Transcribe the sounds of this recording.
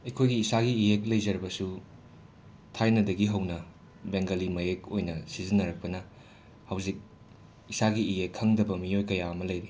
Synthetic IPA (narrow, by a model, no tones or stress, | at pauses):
ɐjkʰojɡiːsaɡiːjek̚lɐjzɐɾbɐsu | tʰajnɐdɐɡiɦɐwnɐ | beŋɡɐlimɐjekojnɐsizinːɐɾɐk̚pɐnɐ | hɐwzik̚ | isaɡiijekʰːɐŋdɐbɐmijojkɐjaɐmɐlɐjɾi